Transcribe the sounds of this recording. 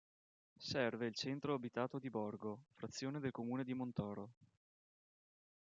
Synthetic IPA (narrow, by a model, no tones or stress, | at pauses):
sɛrveilt͡ʃɛnt̪ɾoabit̪aːt̪od̪ibɔrɡofɾat̪sːjoːned̪elkomuːned̪imont̪ɔːɾo